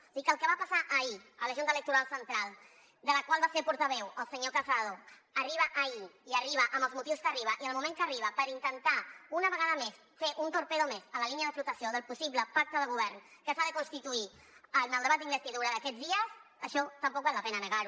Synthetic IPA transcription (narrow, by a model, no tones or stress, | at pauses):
sikəlˠkəβapasaʔəiələʒunt̪ələk̚t̪uɾalˠsənt̪ɾalˠ | d̪ələkwalˠβasepuɾt̪əβɛwəlˠsəɲokəsaðoəriβ̞əʔəiiəriβəʔəmbəlˠzmut̪iwskəriβ̞əʔiəlˠmumẽŋkəriβ̞əpəɾint̪ənt̪aunəβəɣaðəmes | feʔunt̪uɾpeðomezələliniəðəflut̪əsioðəlˠpusiβləpak̚t̪əðəɣ̞uβ̞ɛrn | kəsaðəkunst̪it̪ui | ənəlˠd̪əβat̪̚d̪imbəst̪iðuɾəðəkɛd͡zðiəs | əʃɔt̪əmpɔk̚balːəpɛnənəɣaɾu